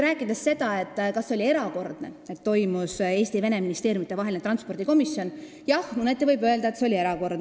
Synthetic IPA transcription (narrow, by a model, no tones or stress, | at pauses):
ɾæːkˑːid̪esse̞d̪̥ɑe̞t̪ːˑkɑsːeolie̞ɾɑko̞rd̪̥nee̞t̪ːo̞jmuse̞ːst̪ive̞neminist̪e̞ːɾjumit̪ːˑevɑɦe̞linet̪rɑnspo̞rd̪̥iko̞misːio̞n | jɑhmunet̪ːˑevɤjbø̞eld̪ɑe̞t̪seo̞lie̞ɾɑko̞rd̪n